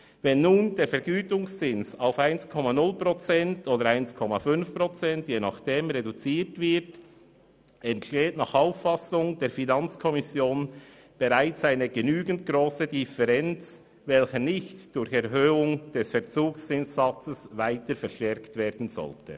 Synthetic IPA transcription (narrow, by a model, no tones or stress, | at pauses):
vɛnːuːndeːɾfɛɾɡyːtʊŋst͡sɪnsaʊfaɪnskʰɔmanʊlpʁɔt͡sɛntoːdəɾaɪnskʰɔmafʏnfpʁɔt͡sɛntjeːnɑχd̥eːmʁedut͡siːtv̥ɪɾt | ɛntʃteːtnɑːχaʊfɑsʊŋd̥eːɾfinɑnt͡skʰɔmɪsjoːn | b̥eʁaɪt͡saɪnəɡənyːɡən̩t̚ɡʁoːsədifɛʁɛnt͡s | vɛlçənɪçtd̥ʊɾçɛʁɦøːʊŋd̥ɛsfɛɐʁt͡suːkst͡sɪnsːɑt͡səsvaɪtəɾfɛɾʃtɛɾktv̥eːɐdn̩zɔ̰ltʰə̰